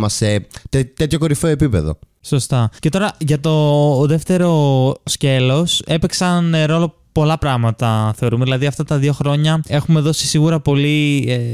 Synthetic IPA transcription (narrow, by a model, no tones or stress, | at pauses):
mɐset̪et̪e̞t̪ço̞ko̞ɾifeoepipe̞̰ðo̰ | so̞st̪ɐce̞t̪o̞ɾɐʝɐt̪o̞ðe̞ft̪e̞ɾo̞sce̞lo̞se̞peksɐnɾo̞lo̞ | po̞lɐpɾɐɣmɐt̪ɐθe̞o̞ɾume̞ðilɐðiɐft̪ɐt̪ɐðio̞xɾo̞ɲɐe̞xume̞ðo̞si̥siɣuɾɐpo̞li